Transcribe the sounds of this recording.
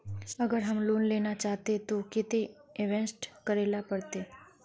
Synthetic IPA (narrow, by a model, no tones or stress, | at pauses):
əɡəɾɦəmluːnlenat͡ʃaɦt̪et̪okɪt̪eeʋẽnsʈkəɾelapəɽt̪e